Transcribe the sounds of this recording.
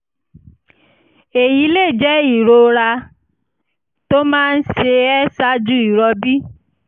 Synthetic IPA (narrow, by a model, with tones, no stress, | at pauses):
e˨ji˨˦le˦˨d͡ʒɛ˦i˦˨ɾo˧ɾa˧ | to˦mãː˦˧n̩˦ʃe˧ɛ˦sa˦d͡ʒu˦i˦˨ɾɔ˧bi˦